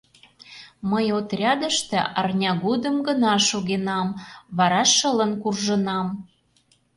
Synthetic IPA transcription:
məjot̪rʲɑd̪ə̆ʃt̪ĕɑrnʲɑɣod̪əmɡənɑʃoɣenɑmβɑɾɑʃələ̆nkurʒə̆nɑm

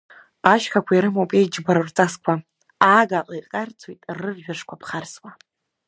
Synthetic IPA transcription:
aʃkʰakʷʰaiɾɨmowpʼejd͡ʒbaɾurt͡sʼaskʷʰa | aɡaqʼajqʼart͡sʰojtʼrɨrʒᶣaʂkʷʰapʰχarswa

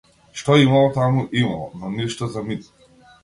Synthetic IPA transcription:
ʃt̪ɔimalˠɔt̪amuʔimalˠɔ̰nɔniʃt̪ɔzamit̪ɔ

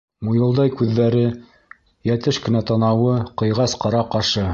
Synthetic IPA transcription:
mujɤ̆lˠd̪ɑjkʉðːæɾɘ | jæt̪ɘʃkɘ̆næt̪ɑnɑwɤqɤ̆jʁɑsqɑɾɑqɑʃɤ

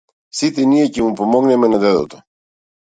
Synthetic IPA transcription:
sit̪eniɐcemupomoɣnemenɐðeðo̰t̪o

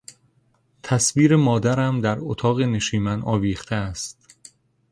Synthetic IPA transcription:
t̪ʰæsviːɾe̞mɒːd̪æɾæmd̪æɾot̪ʰɒːɣe̞ne̞ʃiːmænɒːviːχt̪ʰeæst̪

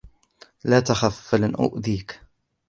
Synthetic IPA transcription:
laːt̪axafːalɪnʔʊ̰ʔðiːk

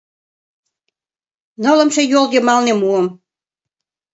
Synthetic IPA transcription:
nɤlə̆mʃejoljemɑlnemuəm

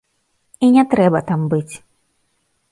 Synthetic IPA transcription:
inʲɛt̪ɾɛbɐt̪ambɨt͡sʲ

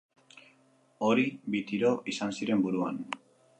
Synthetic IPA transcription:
o̞ɾibit̪iɾo̞ʔisansiɾe̞mbuɾua̰n

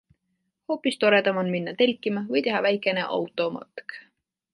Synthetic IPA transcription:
ho̞ːpˑist̪o̞ɾe̞d̪ɑmonminːɑt̪e̞lʲkːˑimɑvɤjt̪e̞ɦɑvæjkˑe̞ne̞ʔɑ̰wt̪ˑo̞mɑ̰t̪k

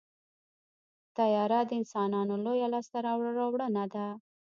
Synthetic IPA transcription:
t̪ajɑɾad̪əɪnsɑnɑnolojalɑst̪aɾɑwɽɾawɽənad̪a

